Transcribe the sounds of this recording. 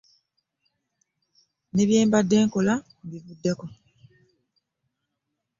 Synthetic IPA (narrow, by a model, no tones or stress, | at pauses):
ne̞βje̞ːmbadːe̞ːŋko̞la | bivudːe̞ko̞